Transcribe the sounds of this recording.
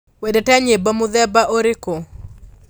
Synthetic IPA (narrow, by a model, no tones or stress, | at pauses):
wedɛtaɲebamʊðɛbaʔoɾɪko